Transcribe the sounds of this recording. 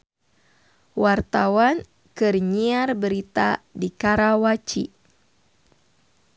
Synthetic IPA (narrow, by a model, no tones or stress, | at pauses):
wart̪awan | kɨrɲiarbəɾit̪a̰dikaɾawat͡ʃi